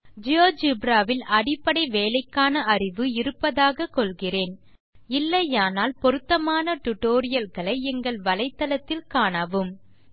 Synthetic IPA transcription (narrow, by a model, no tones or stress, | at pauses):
d͡ʒɪjoːd͡ʒɪbɾaːʋɪlʔɐɽɪpːɐɽɐɪʋeːlɐɪkːaːnɐɐrɪʋɯɪɾɯpːɐðaːɣɐkːɔlɣɪreːn | ɪlːɐjaːnaːlpɔɾɯt̪ːɐmaːnɐʈʊʈːoːɾɪjɐlɣɐɭɐɪɛŋɡɐɭʋɐlɐɪt̪ːɐlɐt̪ːɪlkaːɳɐʋɯm